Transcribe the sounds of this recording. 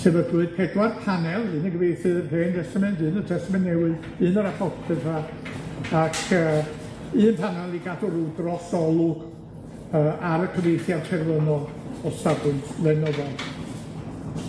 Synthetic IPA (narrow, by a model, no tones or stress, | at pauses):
sʰɨvəɡuɨd̥̚pʰɛdwarpʰanɛlˠɨnəɡəvejθɨrɦeːndɛstamɛntɨːnətʰɛstəmɛnːɛwɨ | ɨnəɾapʰɔtʰɛtʰa | akʰəː | ɨːnpʰanɛlˠiɡadɔɾuːdrɔsɔlˠʊɡ̥ | əːʔaɾəkʰəvejθjadtʰɛrwənɔd | ɔsabɨntlˠɛnɔðad